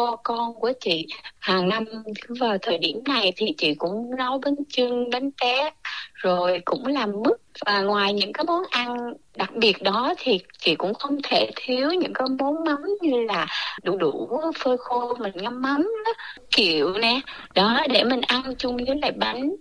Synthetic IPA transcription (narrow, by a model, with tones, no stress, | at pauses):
ɔ˧kɔ˧nku˧˩ət͡ɕḭ˧˨haː˨˩ŋna˧mt̪ʰɨ˨˦vəaː˨˩t̪ʰəː˨˩jɗḭ˧˩əmna˨˩jt̪ʰi˨˩t͡ɕḭ˧˨kʊ̰˧˥ŋ͡mnɔ˨˦jɓe˨˦nt͡ɕɨ˧ŋɓe˨˦nt͡ɕɛ˨˦t̚zo˨˩jkʊ̰˧˥ŋ͡mlaː˨˩mːɨ˦˥k̚vaː˨˩ŋwaː˨˩jɲɨ̰˧˥ŋkaː˨˦jmo˨˦nʔa˧ŋɗa˨˩k̚ɓi˨˩ət̚ɗɔ˨˦t̪ʰi˨˩t͡ɕḭ˧˨kʊ̰˧˥ŋ͡mxə˧wŋ͡mt̪ʰe˧˩t̪ʰi˨˦əwɲɨ̰˧˥ŋkaː˨˦jmo˨˦nma˨˦mɲɨ˧laː˨˩ɗu˧˩ɗu˧˩fəː˧xo˧mï˨˩ŋŋa˧mːa˨˦mɗɔ˨˦ | ki˧˩˨əwnɛ˨˩ɗɔ˨˦ɗe˧˩mï˨˩ŋ̟ʔa˧nt͡ɕʊ˧ŋ͡mɲɨ˨˦la̰ː˧˩jɓa˨˦ŋ̟